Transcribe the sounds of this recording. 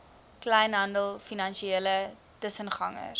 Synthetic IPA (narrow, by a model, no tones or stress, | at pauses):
klɛjnɦɐndəlˠfinɐnʃieːlə | təsənχɐ̰ŋə̰r